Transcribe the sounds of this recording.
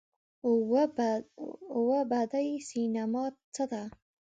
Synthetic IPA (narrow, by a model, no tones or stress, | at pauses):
wabad̪ajsinamɑt͡səd̪a